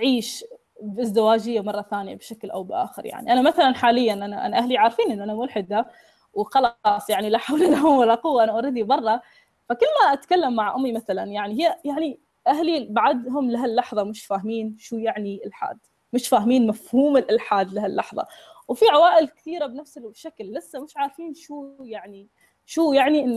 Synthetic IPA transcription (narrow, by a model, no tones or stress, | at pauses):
ʕiːʃ | bʔɪzd̪ɪwaːd͡ʒɪjːamɑrˤːɑθaːnɪja̰bʃaklʔa̰wbʔa̰ːxɪɾja̰ʕnḭʔanamaθalanħaːlɪjːanʔanaʔa̰naʔaɦliʕaːɾfiːnʔɪnːʔanamʊlħɪd̪a | wxɑlɑsˤjaʕnilaħawlalahʊmwalːaqʊwːaʔanaʔaɾiːd̪ibɑrˤːɑ | fakɪlːmaʔat̪kalːamːaʕʔʊmːimaθalanjaʕniɦɪjːajaʕni | ʔaɦlibaʕad̪ɦʊmlaɦalːɑħðˤɑmɪʃfaːhmiːnʃuːjaʕniʔɪlħa̰ːd̪̥ | mɪʃfaːhmiːnmafhuːmɪlʔɪlħaːd̪lahalːɑ̰ħðˤɑ̰wfiʕawaːʔɪlkɪ̥θiːɾabnafsɪʃaklːɪsːamɪʃʕaːɾfiːnʃuːjaʕni | ʃuːjaʕniʔɪnː